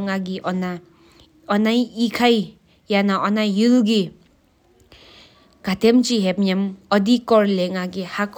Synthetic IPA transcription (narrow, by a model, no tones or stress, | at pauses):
ŋaɡiʔɔna | ɔnajikʰaj | janaʔɔnajulɡi | ɡ̥at̪ʰemt͡ʃiɦepɲamɔd̪ikɔɾleŋaɡihakʰ